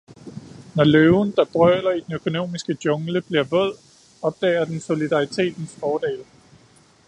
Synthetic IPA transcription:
nɒløʊnd̥ɑ̈b̥ʁœːlɐid̥enøkʰo̝no̝̰ːmisɡ̥əd̥jɔ̽ŋləb̥liɐʋɔð̞̰ˠ | ɒ̽b̥̚d̥ɛ̰ːɐd̥enso̝lid̥ɑ̈it͡sʰe̝̰ːd̥n̩sfɒːd̥ḛːl

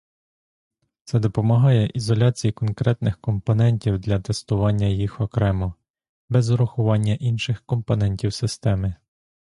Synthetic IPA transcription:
t̪sɛd̪ɔpɔmɐɦɑjɛʔizɔlʲɑt͡sʲijikɔnkɾɛt̪nɪxkɔmpɔnɛnʲtʲiwd̪lʲɐt̪ɛst̪ʊʋɑnʲːɐjixɔkɾɛmɔ | bɛzɾʊxʊʋɑnʲːɐʔinʃɪxkɔmpɔn̪ɛnʲtʲiwsɪst̪ɛmɪ

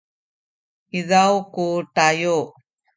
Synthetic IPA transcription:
izawkuʈajo

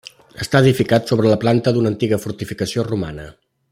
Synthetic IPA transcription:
əst̪aəðifikat̪soβɾələplant̪əd̪unəːnt̪iɣəfuɾt̪ifikəsioruma̰nə

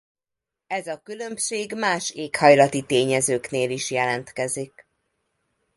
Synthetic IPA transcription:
ɛzɒkylø̞mʃeːɡmaːʃeːkhɒjlɒt̪it̪eːɲɛzøːkneːliʃjɛlɛnt̪kɛzik

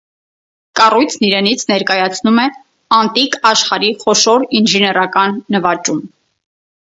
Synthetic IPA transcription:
kɑrujt͡sʰniɾɛnit͡sʰnɛɾkɑjɑt͡sʰnumɛ | ɑnt̪ikɑʃχɑɾiχɔʃɔɾinʒɛnɛɾɑkɑnːəvɑt͡ʃum

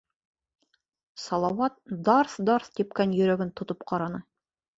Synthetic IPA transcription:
sɑlˠɑwɑt̪̚d̪ɑɾθd̪ɑɾθt̪ip̚kænjɵ̆ɾæɡɘnt̪ŏt̪opqʰɑɾɑnɤ

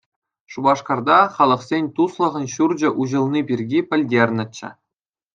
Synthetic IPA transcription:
ʂubɑʂkɑrd̪ɑχɑlˠɤ̆χsʲenʲt̪uslˠɤ̆ʁɤ̆nɕurd͡ʑɘ̆ʔuʑɤ̆lˠnʲipʲirʲɡʲipʲɘ̆lʲdʲerʲnʲɘ̆t͡ɕːɘ̰̆

